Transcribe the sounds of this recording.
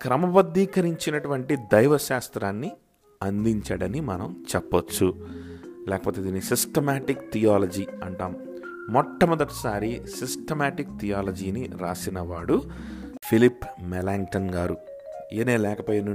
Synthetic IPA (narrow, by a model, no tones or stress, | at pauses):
kɾɐmɐbɐd̪ːiːkɐɾiɲt͡ʃinɐʈuʋɐɳʈid̪ɐjʋɐʃaːst̪ɾaːnːi | ɐnd̪iɲt͡ʃaːɽɐnimɐnɐmt͡ʃɛpːɐt͡ʃːu | lɛːkɐpoːt̪e̞ːd̪iːnːisisʈɐmaːʈikt̪ʰijaːlɐd͡ʒiːɐɳʈaːmː | ɔʈːɐmɔd̪ɐʈi̥saːɾisisʈɐmaːʈik̚t̪ʰijaːlɐd͡ʒiːniɾaːsinɐʋaːɽu | pʰilipːmɛlaːŋʈɐnɡaːɾu | eːneːlɛːkɐpoːjɐnu